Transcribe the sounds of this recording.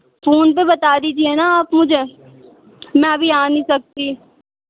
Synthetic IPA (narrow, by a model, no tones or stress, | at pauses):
foːnp̬ebɐt̪aːɾiːd͡ʒiɛːnaaːpmʊd͡ʒʱe | mɛ̃ɐbʱiaːnĩsɐk̚t̪iː